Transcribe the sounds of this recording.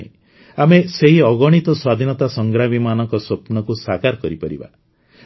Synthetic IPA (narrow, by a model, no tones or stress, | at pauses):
ḛ | ameseɦiɔɡɔɽ̃it̪ɔswad̪ʱinɔt̪asɔŋɡɾamimanɔkɔsopnɔkusakaɾkɔɾipɔɾḭba̰